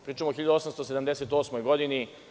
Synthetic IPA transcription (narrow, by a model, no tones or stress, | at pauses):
pɾiːt͡ʃamoxiʎad̪uo̞samst̪osed̪amd̪eset̪o̞ːsmojɡo̞d̪ini